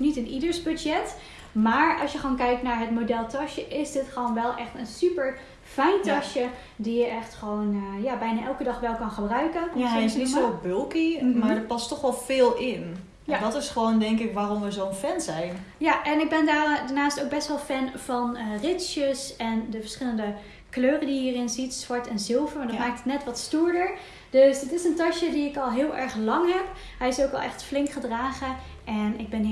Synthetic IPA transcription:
nitənidəɹsbødjɛt | maːɹɑ̰sjəχʋoːnkɛjk̚tnaːɹɦətmodɛlˠtɑʃəʔɪzdɪtχəʋonʋɛlˠʔɛχtənsypəɹ | fɛjntɑʃjə | dijəʔɛχtχəʋownəjaːbɛjnaːʔɛlˠkədɑχʋɛlˠkɑnχəbrœɥkənksisobølˠkimaɹdəpɑstɔχʋɔlˠfɪːlˠɪn | jadɔtɪsχəʋowndɛŋkɪkʋaːrɔmʋəzownfɛnzɛjnjaʔɛnɪɡ̚bɛndaːrdaɹnaːstowk̚bɛstʋɛlˠfɛnv̥ɑnrɪsjəsɛndəvəɹsχɪləndə | kløːrədiɦiːrɪnzitsʋɑɹtɛnzɪlˠvəɹmaɹdɔmaːkɪktətnɛtʋɑtstuːɹdəɹ | d̥øsdɪtɪsəntɑʃədiɪkɑlˠɦɪːlˠʔɛɹχlɑŋɦɛp | ɦɛjɪsowkʋɛlˠɛχtflɪŋkχədraːχə | ʔɛnɪɡ̚bɛn

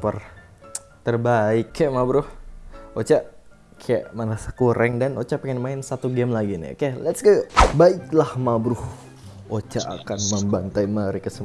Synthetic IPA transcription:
pər | t̪ərbaɪkːaʔmabɾʊhot͡ʃaʔ | kʰaja̰ʔmanasə̥kuɾʔɛŋdanot͡ʃaʔpɛŋɛnmaɪnsat̪uɡɛmlaɡinɪ̰kajalɛt̪sɡabaɪklahmabɾʊh | ot͡ʃaʔa̰kanməmbant̪ajməɾikəsəm

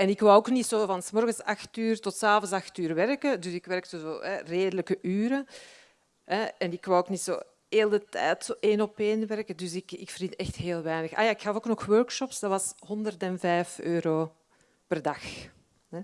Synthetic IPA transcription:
ɛnɪkʋawoːknitsoːvɑnsmɔrɣəsɑxtyːrtɔtsaːvɔnsɑxtyːrʋɛrkədʏsɪkʋɛrk̚təzo̰ːɦɛreːdələkəʔyːɾə | ɦɛɛnɪkwawoːknitso̰ː | eːlˠdətɛ̰ːtsoːʔeːnɔpeːnʋɛrkədʏsɪkɪkfərdintɛxtɦeːlˠʋɛjnəxa̰jaːɪkxɑfoːknɔxwœrkʃɔpsdɑtʋɑsɦɔndərtɛnvɛːjføːɾoː | pərdɑx | ɛ

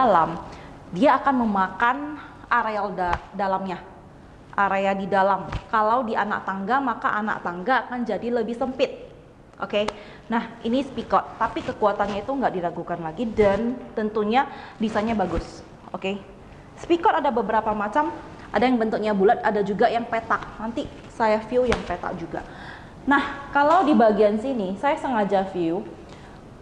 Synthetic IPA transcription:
lam | diaːkanməmakan | aɾealdadalamɲa | ʔaɾeadidalamkalawdiʔana̰k̚t̪aŋɡamaka̰ʔana̰k̚t̪aŋɡaːkand͡ʒadiləbɪhsəmpɪt̪̚ | ʔo̰ke | nahʔinisə̥pikɔt̪ːapikəkuat̪anɲait̪uŋɡaʔdilaɡukanlaɡidant̪ənt̪uɲadisaɲabaɡʊs | ʔoke | sə̥pikɔt̪adabəbəɾapamat͡ʃam | ʔadajaŋbənt̪ʊk̚ɲabulat̪̚adad͡ʒuɡajaŋpet̪ak̚nant̪i | sajafiujaŋpet̪a̰k̚d͡ʒuɡa̰ | nahkalawdibaɡiansinisajasəŋad͡ʒafiu

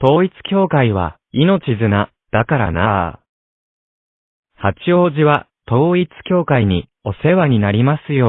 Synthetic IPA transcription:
t̪o̞ːit͡sɨ̥kʲo̞ːkaiβ̞a̰ | ino̞t͡ɕizɨna | d̪̥akaɾa̰na | hat͡ɕio̞ːʑiβa | t̪o̞ːit͡sɨ̥kʲo̞ːkaiɲ̟i | o̞se̞βaɲ̟inaɾʲimasɨjo̞

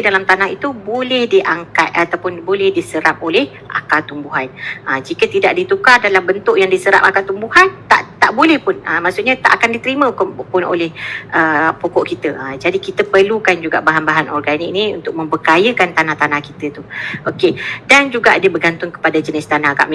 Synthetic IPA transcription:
dalamt̪anaɦit̪ubolɛhdiʔaŋkat̪̚at̪awpʊnbolɛhdisəɾap̚olɛh | ʔa̰kat̪umbuɦanʔəd͡ʒikət̪idaʔdit̪ukadalambənt̪ʊʔjaŋdisəɾa̰p̚akat̪umbuhant̪a̰ʔt̪aʔbolɛhpʊnʔəmaʔsʊʔɲat̪aʔakandit̪əɾimə̃kpʊno̰lɛhʔəpokɔʔkit̪əəd͡ʒadikit̪əpərlukand͡ʒuɡaʔbaɦanbaɦanɔrɡanik̚nĩṵnt̪ʊʔ̚mə̃mbəkajəkant̪anaht̪anahkit̪ət̪uʔokedand͡ʒuɡaʔadəbəɡant̪ʊŋkə̥padad͡ʒənɪst̪anaɡa̰ʔm

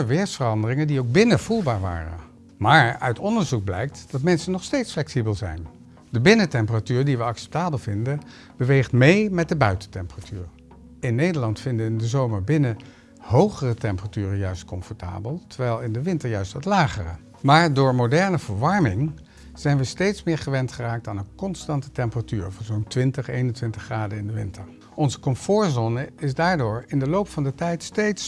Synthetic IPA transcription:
əʋɪːɹsfərɑndərɪŋəndiowɡ̚bɪnəvulˠbaːɹʋa̰ːrə̰ | maːɹœ̰ɥtʰɔndəɹzuɡ̚blɛ̰jk̚td̥ɑtmɛnsənɔχstejtsflɛksibəlˠzɛ̰jn | dəbɪnətɛmpəratyːɹdiʋəɑksɛ̥p̚taːbəlˠv̥ɪndə | b̥əʋejχtmejmɛt̚dəbœɥtəntɛmpəratʰyːɹ | ɪnːejdəɹlɑntfɪndəʋɪndəzowməɹbɪnə | ɦowχərətɛmpəratyːrəjœɥst̚kɔmfɔɹta̰ːbəlˠtəɹʋɛjlˠɪndəʋɪntəɹjœɥstʋɑtlaːχərə̰ | maːɹdʊːɹmodɛɹnəvəɹʋɑɹmɪŋ | z̥ɛjnʋəstejtsmɪːɹχəʋɛntχəraːk̚taːnənkɔnstɑntə̥tɛmpəratyːɹvɔnzontʋɪntəχejnəntʋɪntəχːraːdəɪndəʋɪntəɹ | ɔnzəkɔmfʊːɹzɔnəɪzdaːɹdʊːɹɪndəlowpfɑndətɛjtstejts

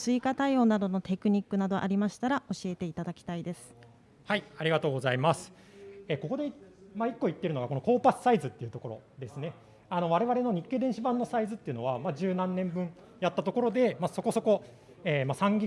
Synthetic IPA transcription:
sɨikat̪aio̞ːnad̪o̞no̞t̪e̞kɯ̟ɲ̟ikːɯ̟nad̪o̞ʔa̰ɾʲimaɕi̥t̪aɾao̞ɕie̞t̪e̞it̪ad̪akʲi̥t̪aid̪e̞sɨ̥ | haiaɾʲiɡat̪o̞ːɡo̞zaimasɨ̥ | eko̞ko̞d̪e̞maikːo̞it̪ːe̞iɾɯ̟noɡako̞no̞ko̞ːpasɨ̥saizɨt̪ːe̞iɯ̟t̪o̞ko̞ɾo̞̰d̪e̞sɨne̞ | ano̞β̞aɾe̞βaɾe̞no̞ɲ̟ikːe̞ːd̪ẽ̞ɕibãnːo̞saizɨt̪ːe̞iɯ̟no̞βamad͡ʑɨːnãnːẽ̞mbɯ̟̃ŋ | jat̪ːat̪o̞ko̞ɾo̞d̪e̞maso̞ko̞so̞ko̞ | eːmasãŋɡʲi

